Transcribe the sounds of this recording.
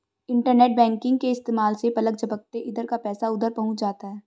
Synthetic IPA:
ɪ̃ɳʈəɾneːʈ̚bɛ̃ːŋkɪ̃ŋɡ̚keɪst̪eːmaːlsepɐlək̚d͡ʒɐbək̚t̪eʔɪd̪əɾkapɛːsaʊd̪əɾpɐɦʊt͡ʃd͡ʒaːt̪aɦɛː

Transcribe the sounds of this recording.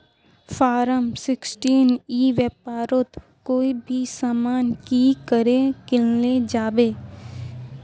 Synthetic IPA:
faːɾəmsɪksʈiːniːʋəpaːɾot̪ | koːibʱisaːmaːnkikəɾekɪlled͡ʒaːbeː

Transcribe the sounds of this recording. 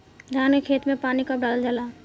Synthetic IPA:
ɡʱaːnkekʰeːt̪mẽpaːnikəpɖaːld͡ʒaːlaː

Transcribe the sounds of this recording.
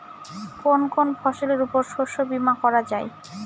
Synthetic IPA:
konkonfʰɔʃoleɾupoɾʃoʃobimakɔɾad͡ʑae

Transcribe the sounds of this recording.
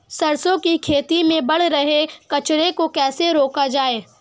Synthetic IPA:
sɐɾsõkikʰeːt̪imẽbɐɽ̤ɾɐɦekɐt͡ʃɾekokɛːseɾoːkad͡ʒaːeː

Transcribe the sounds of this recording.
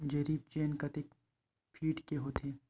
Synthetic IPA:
d͡ʒɐɾiːb̚t͡ʃeːnkɐt̪ek | pʰiːʈkeɦoːt̪ʰeː

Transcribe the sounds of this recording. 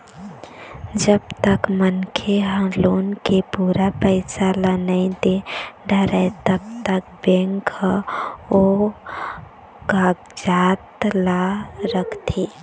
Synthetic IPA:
d͡ʒəbt̪əkmənkʰeɦəloːnkepuːɾapəɪsalanaɪd̪eɖʱəɾət̪əbt̪ək̚bẽŋkʰ | o | ɡaɡd͡ʒaːt̪laɾəkʰt̪ʰi

